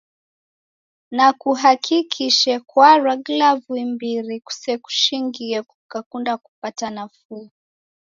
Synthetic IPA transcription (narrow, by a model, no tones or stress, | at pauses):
nakuɦakʰikʰiʃɛkwaɾaɡlavwimbiɾiku̥sɛku̥ʃiŋɡiɛku̥kakundaku̥patanafuː